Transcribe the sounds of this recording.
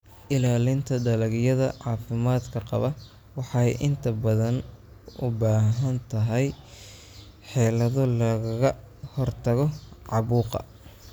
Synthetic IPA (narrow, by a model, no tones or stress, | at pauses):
ʔɪlaːlɪnt̪ʰɐɖɐlɐɣjɐðɐ̰ʕɑːfɪmaːd̪kʰɐqɑ̰βɐ | wɑħɑjʔɪnt̪ʰɐbɐðɐn | ʊbaːɦɐnt̪ʰɐɦɛj | ħɛːlɐðɔlɐɣɐɣɐ | hɔrt̪ʰɐɣɔʕɑβuːqɑ̰